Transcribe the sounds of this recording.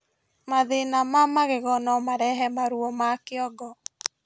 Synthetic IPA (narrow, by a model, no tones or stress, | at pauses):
maðenamamaɣeɣɔnɔmaɾɛɦɛmaɾuɔmakɪɔɡɔ